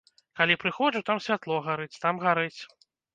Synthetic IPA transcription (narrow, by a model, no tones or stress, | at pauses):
kalʲipɾɨxɔʐut̪amsʲvʲat̪lˠɔɣaɾɨt͡sʲt̪amɣaɾɨt͡sʲ